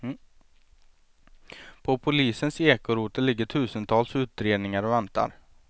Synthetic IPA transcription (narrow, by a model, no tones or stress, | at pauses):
pʰɔpʰʊliːsənseːkʊɾuːt̪əlɪɡːəʈʰʉ̟ːsənt̪ʰɑːlsʉ̟ːt̪ɾeːd̪nɪŋaɾɔvɛnt̪a̰ɾ